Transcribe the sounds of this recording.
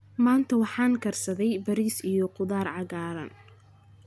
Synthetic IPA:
maːnt̪ʰɐwɑħɑːŋkʰɐrsɐðɛjbɐɾiːsijɔqʊðaːrʕɑɣaːɾɐ̰n

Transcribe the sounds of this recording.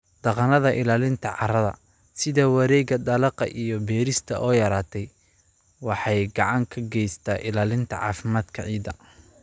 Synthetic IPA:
d̪̥ɑqɑnɐðɐʔɪlaːlɪnt̪ʰɐʕɑɾɐðɐ̰ | sɪðɐwɑɾɛːɣɐd̪ɐlɑqɑ̰ʔijɔbɛːɾɪst̪ʰɐʔɔːjɐɾaːt̪ʰɛj | wɑħɑjɡɑʕɑŋkʰɐɡɛjst̪ʰaːʔɪlaːlɪnt̪ʰɐʕɑ̰ːfɪmaːd̪kʰɐʕiːd̪ɐ

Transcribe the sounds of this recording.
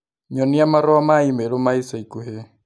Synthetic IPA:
ɲɔnijamaɾɔamaimɛlɔmaisaikuɦɛ

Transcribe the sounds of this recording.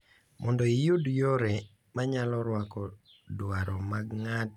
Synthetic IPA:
mɔndɔijudjɔɾɛ | maɲalɔɾwakɔ | dwaɾɔmaɡŋat̚

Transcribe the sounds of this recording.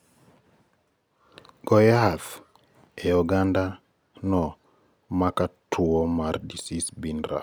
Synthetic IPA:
ɡ̥ɔjaθ | eɔɡanda | nɔ | makatʰuomardisisbinɾa̰

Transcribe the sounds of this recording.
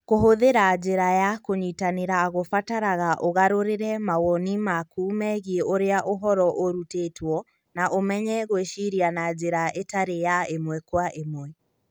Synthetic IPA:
koɦoðeɾad͡ʒeɾajakoɲitaneɾaɣofataɾaɣaʔoɣaɾoɾeɾɛmaɣɔnimakumɛɣieoɾeaʔoɦɔɾɔʔoɾutetwɔ | naʔomɛɲɛɣweʃiɾianad͡ʒeɾaʔetaɾejaemwɛkwaʔemwɛ

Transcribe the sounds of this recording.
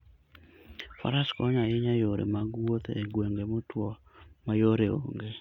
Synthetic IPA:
fa̰ɾaskɔɲaɪɲajoɾḛmaɡwot̪ḛɡweŋɡemotwɔmajoɾeo̰ŋɡe

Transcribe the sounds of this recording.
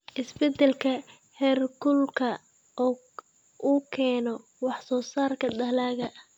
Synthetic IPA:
ʔɪsbɛd̪ɛlkʰɐ | hɛːrkʊlkʰɐ | ʔɔː | ʔuːkʰɛːnɔ | wɑħsɔːsaːrkʰɐd̪ɐlaːɣɐ

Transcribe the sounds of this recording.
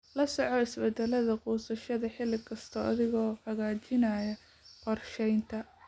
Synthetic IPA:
lɐsɔʕɔɪsbɛd̪ɛlɐðɐquːsɐʃɐðɐħɪlɪkʰɐst̪ʰɔːʔɐðɪɣɔːhɐɣaːt͡ʃɪnaːjɐ | qɔrʃɛjnt̪ʰɐ

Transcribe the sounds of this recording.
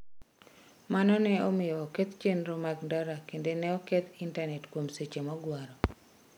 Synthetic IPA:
manɔnɛɔmɪjɔːket̪t͡ʃenɾɔmaɡndaɾakendenɛɔkɛt̪intanɛtkwomset͡ʃemɔɡwaɾɔ

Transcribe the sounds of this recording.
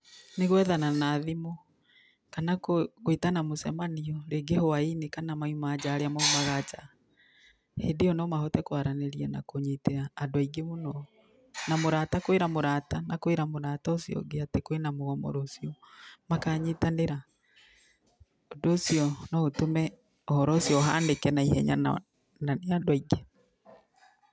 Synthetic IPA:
neɣwɛðananaðimɔ | kanakokwitanamosɛmaniɔɾeɡehoainekanamaumaːd͡ʒaːɾeamaumaɣad͡ʒa | hedeɔnɔmahɔtɛkwaɾaneɾiɛna̰koɲeteaːdoaiɡemonɔ | namoɾaːtakweɾamoɾatanakweɾamoɾataosiɔ̰ɡeatekwenamoɣɔmo̰ɾosiɔmakaːɲetaneɾa | odosiɔnɔotomɛ | ɔhɔɾɔosjɔɦandekɛnaihɛɲa̰na | naneadwaiɡe

